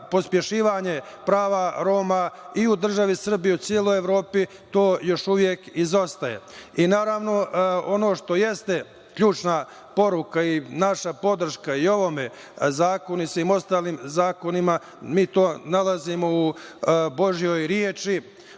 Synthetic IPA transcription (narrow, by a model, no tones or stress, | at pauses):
po̞spje̞ʃiːʋaɲe̞pɾaːʋaɾo̞ːmaiud̪r̩ʒaʋisr̩bijut̪sjielˠojeʋɾo̞ːpi | t̪o̞ːjo̞ʃuʋje̞kizo̞st̪ajḛinaːɾaʋno̞o̞no̞ːʃt̪o̞je̞st̪e̞ | kʎuːt͡ʃna | po̞ɾukainaʃapo̞d̪r̩ʃkaio̞ʋo̞me̞ | zaːko̞nisʋiːmo̞st̪aːlimzaːko̞nima | miːt̪o̞ːnalazimo̞ubo̞ʒijo̞jɾjeːt͡ʃi